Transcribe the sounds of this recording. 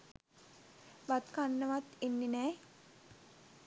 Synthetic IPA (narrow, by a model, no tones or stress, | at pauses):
bat̪kanːəʋat̪inːinɛː